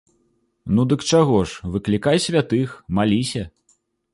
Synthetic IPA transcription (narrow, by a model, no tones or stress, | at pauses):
nud̪ɨkt͡ʂaɣɔʂvɨklʲikajsʲvʲat̪ɨxmalʲisʲɐ